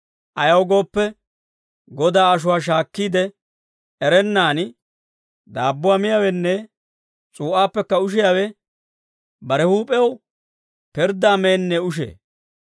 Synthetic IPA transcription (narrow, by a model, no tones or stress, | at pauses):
ʔɐjɐwɡo̞ːpːɛ | ɡɔd̪aːɐʃ̬ʊwaːʃ̬aːkːiːd̪ɛ | ɛɾɛnːaːn | d̪aːbːʊwaːmɪjawɛnːɛ | t͡sʼuːʔaːpːɛkːɐʊʃ̬ɪjawɛ | bɐɾɛhuːpʼɛw | pɛɾd̪aːme̞ːnːɛʊʃ̬ḛː